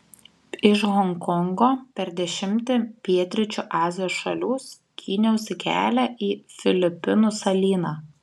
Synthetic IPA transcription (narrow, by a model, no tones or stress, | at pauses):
ɪʃɣɔŋkɔŋɡoːpʲɛɾd̪ʲɛʃʲɪmʲt̪ʲɪpʲiɛt̪ʲɾʲɪt͡ʃʲuːʔɑːzʲɪjoːsʃɐ̰lʲuːs | kʲʰiːnʲɛʊsʲɪkʲæ̰ːlʲæʔiːfʲɪlʲɪpʲɪnʊsɐlʲiːnɑː